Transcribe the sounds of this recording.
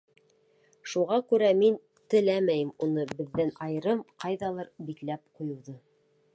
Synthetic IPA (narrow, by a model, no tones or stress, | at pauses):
ʃuʁɑkʉɾæmin | t̪ɘ̆læmæjɘmunɤbɘ̆ðːænɑjɤ̆ɾɤmqɑjðɑlˠɤɾbiklæp̚qujɤ̆wðɤ